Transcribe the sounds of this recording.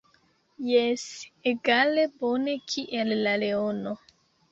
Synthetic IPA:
jeseɡale̞bone̞kʰiʔelːaleono

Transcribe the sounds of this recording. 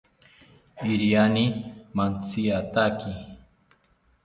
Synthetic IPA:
iɾijanimant͡siat̪aki

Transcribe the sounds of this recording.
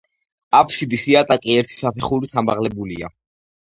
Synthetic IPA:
apʰsid̪isiat̪ʼakʼiɛɾt̪ʰi̥sapʰɛχuɾit̪ʰambaʁlɛbulia̰

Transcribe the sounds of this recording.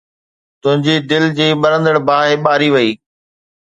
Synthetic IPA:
t̪ʊ̃ɦɪ̃ɲd͡ʑiɖɪld͡ʑiːɓɐɾə̃nd̪əɽbʱaːɦeɓaːɾiʋɐiː

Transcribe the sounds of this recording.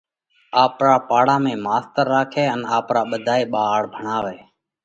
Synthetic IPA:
aːpɾaːpaːɽaːmẽːmaːst̪əɾːaːkʰeːənaːpɾaːɓəd̪ʱaːeːɓaːɽbʱəɳaːʋeː

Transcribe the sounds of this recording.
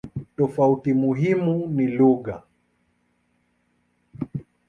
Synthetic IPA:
tɔfautimuɦimuniluɠa

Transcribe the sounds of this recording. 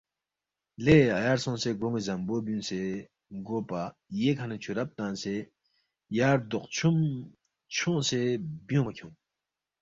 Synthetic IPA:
leajaɾsɔ̃ŋseɡoŋizambobynse | ɡopajekʰanət͡ɕʰuɾap̚t̪anse | jaɾd̪oq̚t͡ɕʰum | t͡ɕʰoŋsebjoŋkʲʰuŋ

